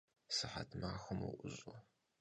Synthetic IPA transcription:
sɨħatʰmaːxʊmuʔʷʊzʼʊ

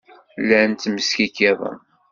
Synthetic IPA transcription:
lːænt̪ːməskikːæðˤɑ̰

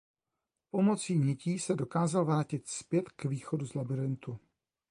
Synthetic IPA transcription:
po̞mo̞t͡siːɲɛciːsɛdo̞kaːzalvɾaːcɪt̪spjɛt̪kviːxo̞duzlabɪɾɪnt̪u

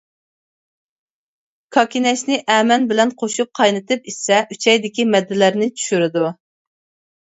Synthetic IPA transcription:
kʰɑkʲinɛʃnɪʔɛːmɛnbɪlɛnqʰoʃup̚qʰɑjnɨt̪ɨpisɛʔyt͡ʃʰɛjd̪ɪkʲimɛd̪ːɪlæɾnɪt͡ʃʰy̥ʃyɾɪd̪u

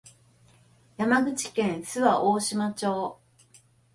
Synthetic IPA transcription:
jamaɡɯ̟t͡ɕi̥kẽ̞ɰ̃sɨβaʔoːɕimat͡ɕo̞ː

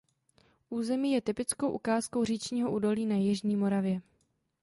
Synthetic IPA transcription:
ʔuːzɛmiːjɛt̪ɪpɪt͡sko̞wʔukaːsko̞wr̝iːt͡ʃɲiːɦoʔuːdo̞liːnajɪʒɲiːmo̞ɾavjɛ

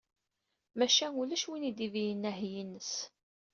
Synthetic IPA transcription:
mæʃænulæʃwinid̪ivijənːæɦjinːəs

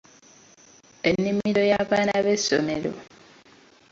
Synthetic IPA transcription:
e̞nːimiɾo̞jaβaːnaβe̞so̰meɾo̰

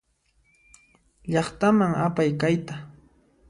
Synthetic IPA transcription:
ʎɑχt̪amaŋapajkajt̪a

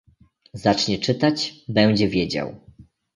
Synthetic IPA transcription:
zat͡ʂɲɛt͡ʂɘt̪at͡ɕbɛw̃d͡ʑɛvʲjed͡ʑa̰w

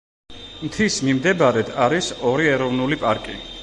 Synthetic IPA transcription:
mt̪ʰismimd̪ɛbaɾɛd̪ʰaɾisɔɾiɛɾɔvnulipʼaɾkʼḭ

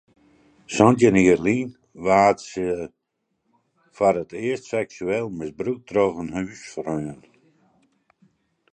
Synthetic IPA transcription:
sɔntjəniərliːn | ʋaːtsə | fɔɾətɪəstsɛksyɛlˠmɪsbɾuk̚droɣənhyːsfrøːən

